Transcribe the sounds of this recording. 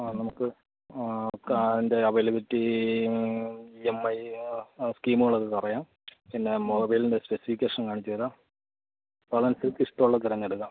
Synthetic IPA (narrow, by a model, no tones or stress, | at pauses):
aːnɐmukːɨ | kːinde̞ɐʋɐjlɐpetːi | emːɐj | skiːmuɣɐɭɐðɨkɐrɐjaːm | pinːe̞mo̞ːbɐjlindespesifikʲːeːʂɐnkaːɳit͡ɕːuɾaːm | pɐɭɐnsɨlkiʂʈoɭːɐt̪iɾɐŋːeɽuɣɐːm